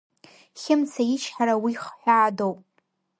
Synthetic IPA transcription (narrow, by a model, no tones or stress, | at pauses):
χʲɪmt͡sʰajɪt͡ʃʰħaɾawiχħʷaːdowpʼ